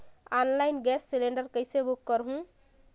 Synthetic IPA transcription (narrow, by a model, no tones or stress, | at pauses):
anlajnɡɛsːileɳɖəɾkəjsebukːəɾɦũ